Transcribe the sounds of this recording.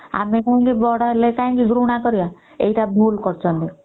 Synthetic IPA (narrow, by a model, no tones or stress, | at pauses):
a̰mekunkibɔɽaelekaĩkiɡɾuɽ̃akɔɾija | ḛiʈabʱulkɔɾt͡ʃʰɔnt̪i